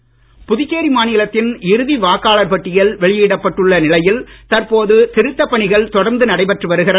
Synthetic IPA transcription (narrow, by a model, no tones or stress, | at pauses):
pʊðɪt͡ʃːeːɾimaːnɪlɐt̪ːɪnɪɾɯðiʋaːkaːɭɐɾpɐʈːɪjɐlʋɛɭɪjiːɽɐpːɐʈːɯɭːɐnɪlɐjɪlt̪ɐɾpoːðɯt̪ɪɾɯt̪ːɐpːɐɳɪɣɐɭt̪ɔɽɐɾnd̪ɯnɐɽɐɪpɐʈrɯʋɐɾɯɣɪrɐ